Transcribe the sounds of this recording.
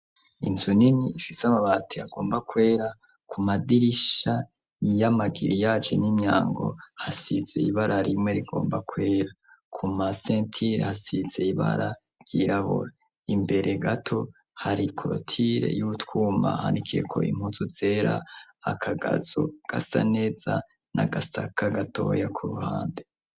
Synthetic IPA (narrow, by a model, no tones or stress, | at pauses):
inzuniniːfisamaβatʰiaɡ̥o̞ːmbakwe̞ːɾa | kʰumadiɾiʃa | jamaɡiɾijaːt͡ʃenimɲa̰ːŋɡo̞̰hasiz̥ḛiβaɾʔaɾimŋwe̞ɾiɡo̞̰ːmbakʰwe̞ːɾa | kʰumasentʰiɾehasiz̥e̞iβa̰ɾa | ɾjiɾaβṵɾa | imbe̞ɾʔe̞ɡatʰo̞haɾikʰotʰiɾe̞̰juutwuːma̰ha̰ːndikʰijḛkʰo̞̰ḭm̥uzuze̞ɾaːkʰaɡa̰z̥uɡ̥asa̰ne̞ːz̥a | na̰ɡasakʰaɡatʰo̞̰jakʰuɾuhaːnde